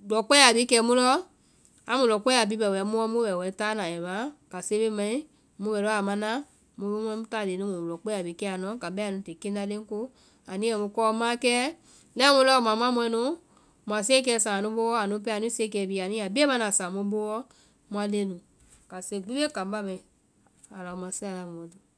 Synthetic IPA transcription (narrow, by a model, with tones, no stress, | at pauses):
dɔ˨k͡pɛ˦a˨bi˨˦kɛ˧˨˦mũ˦lɔ˦ | a˨˦mũ˨˧lɔ˨k͡pɛ˦a˨bi˦bɛ˨wɛ˨˦mũ˦ɔ˦mũ˦bɛ˨wɛ˨˦ta˦nã˨ɛ˨mã˨˦ka˨se˦be˦mã˨˦ĩ˦ | mũ˦bɛ˨lɔ˦a˨mã˧˦nã˦ | mũ˨˧be˦m˧˦ɛ̃˦mũ˦ta˦˨le˨nũ˦mũ˨u˨lɔ˨k͡pɛ˦a˨bi˨˦kɛ˦a˨nɔ̃˨˦ka˨bɛ˦a˨nũ˧˦te˨ke˦nda˧le˦ŋ˦ko˦ | a˨nĩ˦ɛ˨mũ˧kɔ˧˦mã˦kɛ˦ | lɛ˦mũ˧lɔ˦˨mã˨m˦ã˦mũ˧˦ɛ˧˦nũ˦˨ | ma˨s̬e˦k̬ɛ˧˨sã˨nũ˨˦bo˦wɔ˦a˨nũ˨˧˦p̬ɛ˦a˨nũ˦se˦kɛ˧˨bi˧˨a˨nĩ˦a˨bi˦e˦ma˦na˨sã˨mu˦bo˦wɔ˦ | mu˦a˧le˦nũ˨ | ka˨se˧˨ɡ͡bi˦be˦kã˨mba˦bɛ˨ | a˨lɔ˨mã˨si˦a˨la˨mũ˨ɔ˨du˨